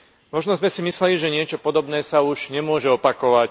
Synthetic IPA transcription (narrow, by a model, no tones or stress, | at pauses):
mɔʒnɔzmɛsimislɛliʒɛɲɪɛt͡ʃɔpɔd̪ɔbnɛːsauʒɲɛmʊɔʒɛɔpakɔʋac